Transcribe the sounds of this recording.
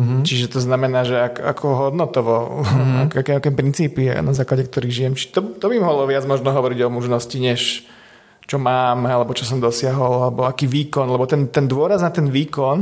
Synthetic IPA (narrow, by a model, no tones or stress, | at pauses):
t͡ʃiʒɛt̪ɔznamɛnaːʒɛaka̰kʰɔɦɔd̪nɔt̪ɔʋɔakakɛmakɛmpɾint͡siːpḭnazaːklaɟɛkt̪ɔɾiːɣʒijɛmt͡ʃi̥t̪ɔt̪ɔbimɔɦɔlɔʋɪad͡zmɔʒnɔɦɔʋɔɾiɟɔmuʒnɔsciɲɛʃ | t͡ʃɔmaːmalɛbɔt͡ʃɔsɔmd̪ɔsɪaɦɔlalɛbɔakiːʋiːkɔnlɛbɔt̪ɛnt̪ɛnd̪ʊɔɾaznat̪ɛnʋiːkɔn